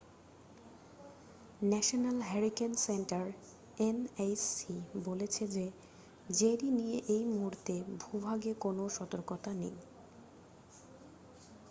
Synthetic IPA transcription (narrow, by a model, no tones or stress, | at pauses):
nɛʃonalɦɛɾikensenʈaɾ | enajsibolet͡ɕʰed͡ʑe | d͡ʑeɾinijeʔejmuɾt̪ebʱubʱaɡekonoʃɔt̪oɾkot̪anḭj